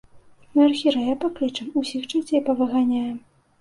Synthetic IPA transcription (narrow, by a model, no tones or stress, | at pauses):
narxʲiɾɐjapaklɨt͡ʂɐmusʲixt͡ʂat͡sʲejpɐvɨɣanʲajɛm